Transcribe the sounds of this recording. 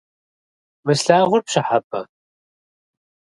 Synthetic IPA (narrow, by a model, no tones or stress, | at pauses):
mɨsɬaːʁʷʊrpʂɐħap̚ʼɐ